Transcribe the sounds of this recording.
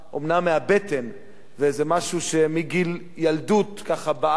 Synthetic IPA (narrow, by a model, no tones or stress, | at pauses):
ʔomnamːeabet̪en | vezemaʃuʃemiɡil | jald̪ut̪kaχaba